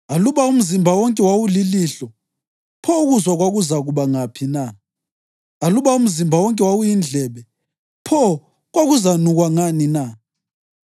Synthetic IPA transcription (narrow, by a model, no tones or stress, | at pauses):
aluβaum̩zimbʱawɔŋkʼɛwawuliliɬɔ | pʰɔuɣuzwaɣwaɣuzaɣuβaŋapʰina | aluβaum̩zimbʱawɔŋkʼɛwawujind͡ɮʱɛβɛ | pʰɔ | ɣwaɣuzanuɣwaŋanina